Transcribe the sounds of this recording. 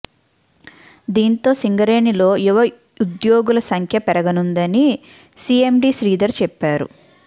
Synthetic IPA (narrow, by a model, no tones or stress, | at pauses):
d̪iːnt̪o̞ːsiŋɡɐɾeːnilo̞ːjuʋɐ | ud̪jo̞ːɡulɐsɐŋkʰjɐpɛɾɐɡɐnund̪ɐni | siːemɖiːsɾiːd̪ɐɾt͡ʃɛpːaːɾṵ